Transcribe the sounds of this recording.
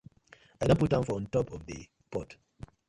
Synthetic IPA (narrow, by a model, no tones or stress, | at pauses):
aɪdõput̚daʊ̃nfɔɔ̃ntɔpʰɔvðə̰ | pɔt